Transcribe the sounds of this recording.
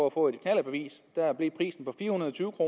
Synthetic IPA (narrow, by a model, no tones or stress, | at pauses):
ɒ̽æfɔ̰̽ːe̝d̥kʰnæl̰əb̥e̝ʋḭːsd̥æɐb̥lipʰʁḭːsn̩pʰɒ̽fiːɐhunɐðˠt͡sʰyːʊəkʰʁo̝ː